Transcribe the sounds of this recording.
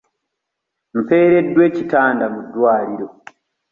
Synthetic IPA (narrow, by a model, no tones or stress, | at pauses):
m̩pe̞ːɾe̞dːwe̞citaːndamudːwaːɾiɾo